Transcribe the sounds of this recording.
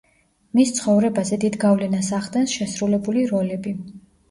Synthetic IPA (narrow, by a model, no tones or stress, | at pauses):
mist̪sʰχɔvɾɛbazɛd̪id̪ɡavlɛnasaʁd̪ɛnsʃɛsɾulɛbuliɾɔlɛbi